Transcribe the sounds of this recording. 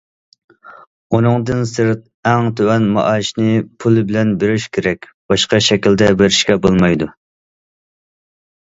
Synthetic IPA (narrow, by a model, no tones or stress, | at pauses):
unɨŋd̪ɨnsɨɾt̪̚ | ɛŋt̪ʰøwɛnmɑ̰ʔɑʃnɨpʰulˠɨbɪlɛnbeɾyʃkʲʰeɾɛkʲ | b̥ɑʃqɑʃɛkʲild̪ɛbeɾɪʃkʲɛbolˠmɑjd̪u